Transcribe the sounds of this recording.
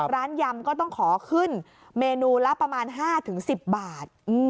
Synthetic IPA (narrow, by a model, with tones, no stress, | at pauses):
ɾaː˦˥nja˧mkɔː˥˩t̪ɔ˥˩ŋkʰɔː˩˦kʰɯ˥˩n | meː˧nuː˧la˦˥pːɾa˧maː˧nɦaː˥˩t̪ʰɯ˩˦ŋsi˨˩p̚baː˨˩t̪̚ʔ